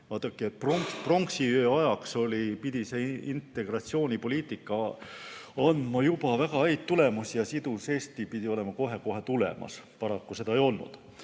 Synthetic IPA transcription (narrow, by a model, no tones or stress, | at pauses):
vɑːt̪ːˑɑkˑːiet̪̚proŋkspro̞ŋksiøɑjɑkso̞lʲipid̪̥ise̞int̪ːˑe̞ɡ̥rɑt̪sio̞ːnʲipo̞lʲiːt̪ˑikːˑɑ | ɑnmɑjub̥ɑvæɡ̥ɑæjt̪t̪ːule̞musjɑsid̪̥use̞ːst̪ipid̪̥io̞le̞mɑko̞ɦe̞ko̞ɦe̞t̪ule̞̰mɑ̰spɑɾɑkːuse̞d̪ɑejo̞lnṵd̪̥